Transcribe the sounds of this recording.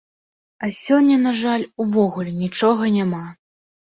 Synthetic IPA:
ɐsʲɔnʲːɐnaʐalʲuvɔɣulʲɛnʲit͡ʂɔɣɐnʲama

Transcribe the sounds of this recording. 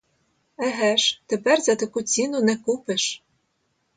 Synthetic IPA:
æɦæʃt̪ɘ̆pærzæt̪ɘ̆kut͡sʲinunɛkupɘ̆ʃ

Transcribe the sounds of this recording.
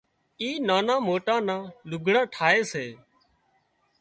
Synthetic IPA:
iːnaːnãːmoːʈãːnãːlʊɡʱɽãːʈʰaːeːseː

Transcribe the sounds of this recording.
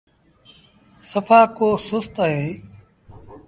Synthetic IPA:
səfaːkoːsʊst̪əɦeː

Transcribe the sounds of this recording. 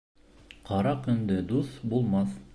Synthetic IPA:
qɑɾɑkɵ̆nd̪ɘd̪uθbulˠmɑθ

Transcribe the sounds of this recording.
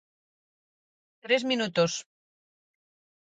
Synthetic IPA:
t̪ɾezmĩnut̪os

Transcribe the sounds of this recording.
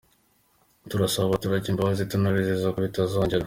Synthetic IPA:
tuɾasaβaβatuɾaɟiːmbaβazitunuβizizakuβitazoːɲɟeɾa

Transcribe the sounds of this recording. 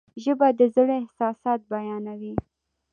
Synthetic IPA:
ʒəbad̪əzəɽɪhsɑsɑt̪̚bajɑnawi

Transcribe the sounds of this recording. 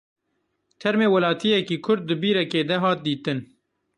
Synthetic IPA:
t̪ʰɛɾmeːwɐlɑːt̪ʰijɛkiːkʰʊɾd̪̚ːɨbiːɾɛkeːd̪ɛɦɑːt̪̚d̪iːt̪ɨn

